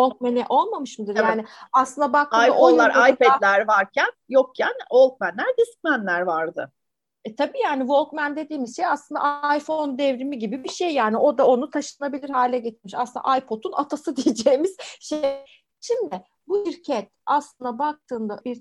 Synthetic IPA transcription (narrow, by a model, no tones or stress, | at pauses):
volˠk̚menɛʔo̞lˠmamɯʃmud̪ɯɾjaːnɪaslˠɯnd̪abak̪̚ajonːˠaɾajpʰɛd̪lʲæɾvaɾcʰænjo̞k̚cʰænvo̞lˠk̚mænlʲæɾd̪isi̥kmænlʲæɾvaɾd̪ɯ̰ | ɛt̪ʰabiːjaːnivo̞lˠkmænd̪e̞d̪iːmizʃejaslˠɯnd̪a̰jfo̞nd̪ɛvɾimiɟibibiʃejːaːniʔo̞d̪ao̞nut̪ʰaʃɯnabilʲiɾhaːlʲɛɟe̞t̪ʰiɾmiʃaslɯna̰ʔajpʰo̞t̪ʰuna̰t̪ʰasɯd̪ijed͡ʒeːmiz̥ʃej | ʃimd̪ɪ | buiɾcʰɛt̪̚aslˠɯnd̪abak̚t̪ʰɯːnd̪aʔiɾ